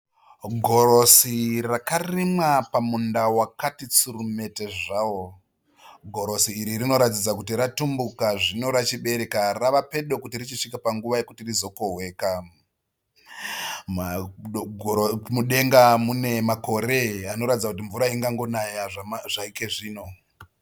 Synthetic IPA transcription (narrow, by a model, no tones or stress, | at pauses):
ɡʱo̞ro̞sirakarimwapamundawakatit͡surume̞te̞ʐaːwo̞ | ɡʱo̞ɾo̞siːɾirino̞ɾat̬id͡zakutiratumbukaʐino̞ɾat͡ʃiɓe̞ɾe̞karaʋape̞ɗo̞kutirit͡ʃiʂikapaŋɡuʋaje̞kutirizo̞ko̞ɦwe̞ːka | ma | muɗe̞ŋɡamune̞mako̞ɾe̞ano̞ɾatid͡zakut̬iɱvuɾaiŋɡaŋɡo̞najaʐaʐaike̞ʐiːno̞